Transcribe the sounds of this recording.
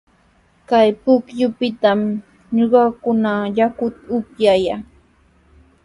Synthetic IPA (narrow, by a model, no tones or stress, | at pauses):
kajpʊkjʊpɪt̪am | ɲoɢɑkʊnajakʊt̪ʊkjajaː